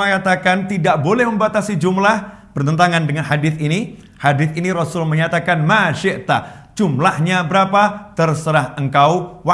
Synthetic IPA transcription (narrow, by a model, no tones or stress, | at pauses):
əŋat̪akant̪idaʔbolɛhməmbat̪asid͡ʒumlahb̥ərt̪ənt̪aŋandəŋanɦadɪθini | hadɪθiniɾɔsʊlməɲat̪akanmaʃɪʔt̪ad͡ʒumlahɲabəɾapat̪ərsəɾaɦəŋkawwa